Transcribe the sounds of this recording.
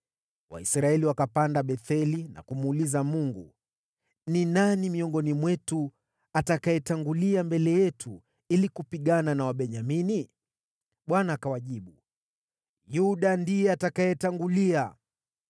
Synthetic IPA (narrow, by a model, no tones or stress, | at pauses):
wa̰isɾaɛliwakapandaɓɛθɛlina̰kumuːlizamuŋɡu | ninanimiɔŋɡɔnimwɛtu | atakajɛtaŋɡuliambɛlɛjɛtʰu | ilikupiɠananawaɓɛɲamini | ɓwanaːkawaʄiɓu | juɗandijɛatakajɛtaŋɡulia